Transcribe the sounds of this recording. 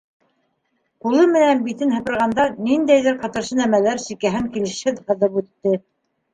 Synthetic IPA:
qulˠɤmɘ̆nænbit̪ɘnhɤ̆pɤ̆ɾʁɑnd̪ɑnind̪æjðɘɾqɑt̪ɤ̆ɾʃɤnæmælæɾsikæɦɘŋkilɘ̆ʃhɘðhɤ̆ðɤpʉt̪ːɘ

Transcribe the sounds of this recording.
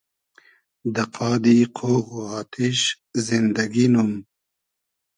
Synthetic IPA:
d̪ɐqʰɑːd̪iqʰoːɣuɑːt̪ʰiʃ | zind̪ɐɡinum

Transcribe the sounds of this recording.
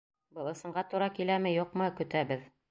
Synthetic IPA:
bɤlˠɤ̆sɤ̆ɴɢɑt̪uɾɑkilæmɘjuqmɤkɵ̆t̪æbɘð

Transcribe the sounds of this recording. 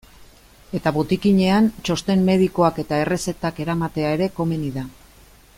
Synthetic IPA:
e̞t̪aβot̪ikiɲe̞ant͡ʃo̞st̪e̞mːe̞ð̞iko̞ake̞t̪ae̞re̞se̞t̪ake̞ɾamat̪e̞ae̞ɾe̞ko̞me̞niða

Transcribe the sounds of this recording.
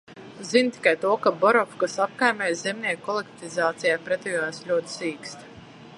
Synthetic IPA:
zint̪i̥kajt̪uɔkabɔɾɔfkasap̚kajmʲɛːjzɛmnʲiɛk̚kːɔlˠek̚t̪izaːt̪sijaːpɾɛt̪ɔjɔslʲuɔt̪siːkst̪

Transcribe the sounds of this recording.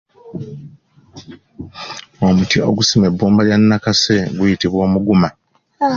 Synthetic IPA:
o̞mutio̞̰ɡusime̞bːuːmbaljanːakase̞ɡujitiβwo̞ːmuɡuma

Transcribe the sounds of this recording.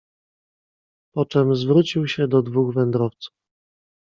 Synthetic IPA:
pɔt͡ʂɛmzvɾut͡ɕiwɕɛd̪ɔd̪vuɣvɛnd̪ɾɔft̪su̥f

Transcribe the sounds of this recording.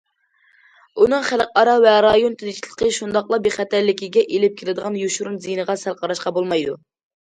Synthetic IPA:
unɨŋχælˠqɑɾɑvɛɾɑjont̪ʰɪd̪ɪt͡ʃʰilˠə̥qʰəʃund̪ɑqlˠɑbeχæt̪æɾlɪkʲiɡʲɛʔelɪp̚kʲʰelɪd̪əʁɑnjuʃuɾunzijnəʁɑsælˠqʰɑɾɑʃqɑbolˠmɑjd̪u

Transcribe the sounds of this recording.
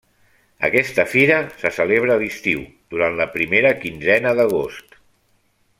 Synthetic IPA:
ə̰kɛst̪əfiɾəsəsəleβ̞ɾəːlist̪iw | d̪̥uɾanləpɾimeɾəkinzɛnəðəɣ̞ost̪

